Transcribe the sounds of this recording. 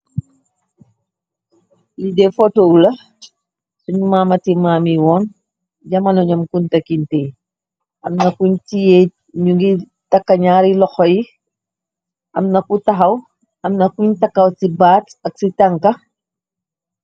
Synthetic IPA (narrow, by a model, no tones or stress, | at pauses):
lidɛfotoːwlɐ | suɲumaːmɐtimaːmiwɔːn | ɟɐmɐnɔɲɐmkuntɐkintɛ | ʔɐmnɐkuɲtijɛ | ɲuɡi | tɐkːɐɲaːɾilɔxɔji | ʔɐ̰mnɐkutɐxɐw | ɐmnɐkuɲtɐkːɐwsibaːtɐk̚sitɐŋkɐ